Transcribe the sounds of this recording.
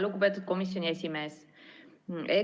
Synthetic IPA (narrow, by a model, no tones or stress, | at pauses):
luɡupe̞t̪ːˑud̪̥̚ko̞misjo̞nʲie̞sʲime̞ːs | e